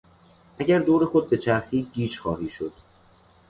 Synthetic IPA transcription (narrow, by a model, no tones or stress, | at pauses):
ʔæɟæɾd̪oːɾe̞xo̞d̪̚be̞t͡ʃʰæɾxiːɟiːt͡ʃxɒːhiːʃo̞d̪̥̚